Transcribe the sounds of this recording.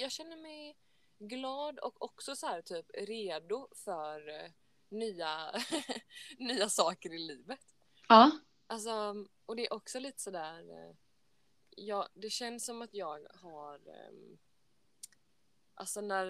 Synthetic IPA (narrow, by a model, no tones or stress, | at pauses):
jɑːɡɕɛnːəmɛj | ɡlɑːd̪ɔ̰kɔksɔsɔhæːɾt̪ʰyːpɾeːd̪ʊfœɾ | nyːa | nyːasɑːkəɾɪliːvət̪ | ɑː | ʔals̬ɔ | ɔd̪ɛːɾʔɔksɔliːt̪ə̥sɔd̪æːɾ | jɑːd̪ɛɕɛnːsːɔmat̪jɑːɡhaɾ | ʔa̰lsɔnæɾ